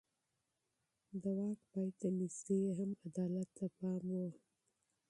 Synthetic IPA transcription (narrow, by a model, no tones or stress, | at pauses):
d̪əwɑːk̚pɑjt̪aniseɦamad̪ɑːlat̪ːapɑːmwo